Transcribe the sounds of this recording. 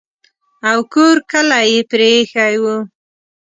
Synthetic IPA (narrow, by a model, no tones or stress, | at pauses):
awkoɾkəlajepɾexajwu